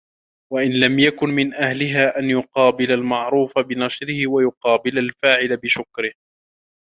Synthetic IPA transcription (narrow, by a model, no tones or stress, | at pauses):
waʔɪnlamjakʊnmɪnʔahlɪɦaːʔanjʊqɑːbɪlalmɑʕɾuːfabɪnɑʃɾɪhɪwajʊqɑːbɪlalfaːʕɪlabɪʃʊkɾɪh